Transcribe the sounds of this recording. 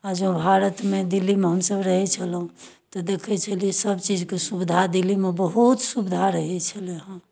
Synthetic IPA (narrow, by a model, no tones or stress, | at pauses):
ad͡ʒõbʱaɾət̪med̪ilːimeɦəmsəbɾəɦɛt͡ʃʰəlɦũt̪ɔd̪ekʰɛt͡ʃʰəliɛsəbt͡ʃid͡ʒkesubid̪ʱad̪ilimebəɦut̪subid̪ʱaɾəɦɛt͡ʃʰəlɛɦã